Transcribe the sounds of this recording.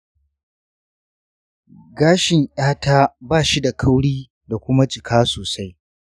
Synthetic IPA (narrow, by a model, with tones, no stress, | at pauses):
ɡaː˦ʃɪ˨ŋʔaː˦ta˦baː˦˨ʃi˦da˨kʰa˦wɽiː˦ | da˨kʷʊ˦ma˦t͡ʃʼɪ˨kʰaː˦soː˨sa˦j